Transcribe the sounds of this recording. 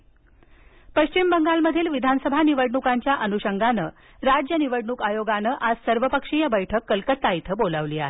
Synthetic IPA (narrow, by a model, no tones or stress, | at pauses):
pəɕt͡ɕimbəŋɡalməd̪ʱiːlʋid̪ʱansəbʱaniʋəɽɳukaɲt͡ɕjaʔənuɕəŋɡanə | ɾad͡ʑjəniʋəɽɳuːkajoɡanəʔasəɾʋəpəkʂijəbəjʈʰəkːəlkət̪ːait̪ʰəbolaʋliːaɦe